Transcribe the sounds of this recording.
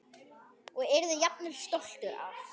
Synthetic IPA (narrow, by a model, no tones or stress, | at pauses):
ɔɣɛɾðʏjapnɪl̥st̪owl̥t̪ʏɾa̰f